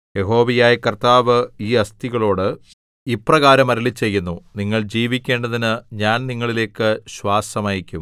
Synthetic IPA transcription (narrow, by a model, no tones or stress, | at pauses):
je̞ɦo̞ːʋijaːjɐkɐrt̪aːʋɨiːɐst̪iɣɐɭo̞ːɽɨ | iprɐɣaːɾɐmɐɾɐlit͡ɕːe̞jːunːuniŋːɐɭd͡ʑiːʋikʲːe̞ːɳɖɐðinɨɲaːnniŋːɐɭile̞ːkːɨɕwaːsɐmaːjikʲːum